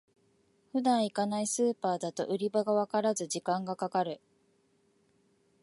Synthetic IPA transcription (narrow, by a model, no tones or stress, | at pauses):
ɸɯ̟d̪ãɰ̃ikanaisɨːpaːd̪at̪o̞̰ʔɯ̟ɾʲibaɡaβakaɾazɨʑikãŋɡakakaɾɯ̟